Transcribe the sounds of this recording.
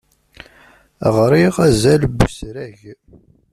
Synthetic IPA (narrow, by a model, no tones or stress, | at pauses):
ə̰ʁɾˤiʁæzælbəsɾæʝ